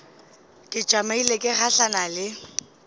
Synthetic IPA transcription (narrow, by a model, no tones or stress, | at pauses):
kʼɪt͡ʃʼamailekʼɪχaɬanalɪ